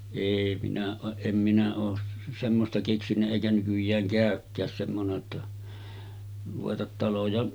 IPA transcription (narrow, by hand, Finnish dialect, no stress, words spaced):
eˑi minæ oːʔ ʔem minæ oːs semːostɑ keksinːæ eˑikæ nykyjˑæːŋ kæˑøkːæːs semːone tːɑ ruʋetɑt tɑlojɑ